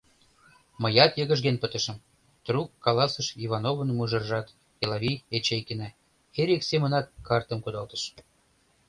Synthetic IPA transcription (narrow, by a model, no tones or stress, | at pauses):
mə̆jɑt̪jəɣə̆ʒɡenpət̪ə̆ʃə̆m | t̪rukːɑlɑsəʃivɑnovənmuʒə̆rʒɑt̪ | elɑvʲiet͡ɕejkenæ | eɾʲiksemə̆nɑt̪̚kɑrt̪ə̆mkud̪ɑlt̪ə̥ʃ